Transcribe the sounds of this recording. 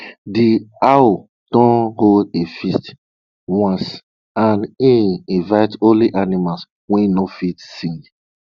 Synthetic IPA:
diawo | d̥ɔ̃nholdefist | wãns | anĩnĩvaɪtoliʔanimals | wɛ̃nofitsĩŋ

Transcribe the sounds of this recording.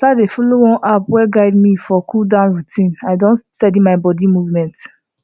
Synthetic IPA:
tadefolowɔ̃nʔapwɛɡaɪdmifɔkʰuldãʊ̃nɹutʰĩnaɪdõnsɛdĩmaɪbɔdimuvmɛ̃nt

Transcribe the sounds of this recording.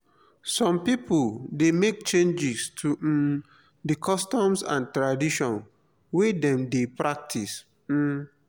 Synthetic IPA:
sɔ̃mpipʰuldemek̚t͡ʃẽnd͡ʒistʰu | dikʰɔstɔ̃msã̰ntɹadiʃɔ̃n | wedɛ̃mdepɹak̚tʰis̩

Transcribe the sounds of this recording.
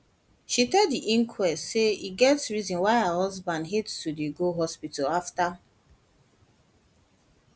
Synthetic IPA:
ʃitɛddiʔĩŋkʰwɛstseiɡɛtsɹizɔ̃nwaɪahɔzbãndɦetstudeɡoɦɔspitalafta

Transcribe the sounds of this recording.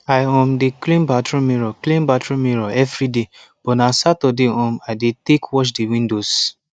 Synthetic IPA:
ajɔ̃mdeklĩmbatɾũmiɾɔklĩmbatɹũmiɾɔɛvɾide | b̥ɔnasatɔdeɔ̃majdetekwɔʃ̬dewĩndos

